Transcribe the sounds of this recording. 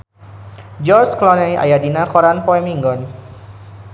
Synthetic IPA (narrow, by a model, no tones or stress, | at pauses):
d͡ʒɔɾsklɔnɛja̰jadinakɔɾanpɔɛmiŋɡɔn